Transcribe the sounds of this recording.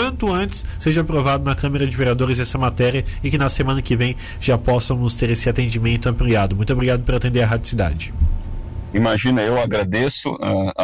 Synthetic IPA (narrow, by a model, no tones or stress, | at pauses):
ɐ̃nt̪ʊɐ̃nt͡ʃɪ̥sseʒɐapɾovad̪ʊnɐkɐ̃meɾɐd͡ʒɪveɾiad̪oɾɪzɛsɐmat̪ɛɾiɐɪkɪnɐsemɐ̃nɐkɪvẽj̃ | ʒ̥apɔsɐ̃nʊst̪eɾesɪat̪ẽnd͡ʒimẽnt̪ʊɐ̃mpliad̪ʊmũj̃t̪obɾiɡad̪ʊpeɾat̪ẽnd̪eɾɐɦad͡ʒo̥sid̪a̰d͡ʒɪ | imaʒĩnɐewaɡɾad̪esʊ̰a